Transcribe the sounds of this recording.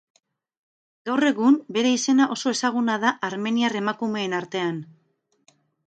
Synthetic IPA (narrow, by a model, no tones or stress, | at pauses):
ɡawre̞ɣumbe̞ɾe̞ise̞naʔo̞soe̞saɣ̞unað̞aʔaɾme̞niare̞makume̞ːnaɾt̪e̞an